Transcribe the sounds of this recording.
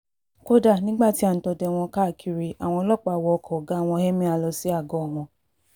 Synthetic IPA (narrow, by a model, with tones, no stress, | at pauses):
ko˦da˦˨nĩ˦ɡ͡ba˦˨ti˦ã˦˨tɔ˧dɛ˧˨w̃ɔ̃˧ka˦˨kʰi˧ɾi˧ʔa˨w̃ɔ̃˧lɔ˦˨k͡pa˧˨wɔ˧ɔ˧kʰɔ˨ɡa˦˨w̃ɔ̃˧hɛ˦mĩ˦a˧lɔ˧si˨˦a˦˨ɡɔ˨˦˨ɦɔ̃˨˧